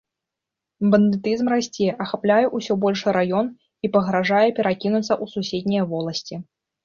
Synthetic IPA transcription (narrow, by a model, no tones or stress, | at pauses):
bɐnd̪ɨt̪ɨzmrasʲt͡sʲɛɛʔɐxaplʲajɛʔusʲɔbɔlʲʂɨɾajɔn | ipɐɣɾaʐajɛpʲɛɾakʲinut̪sːɐʔususʲed̪ʲnʲijvɔlˠɐsʲt͡sʲi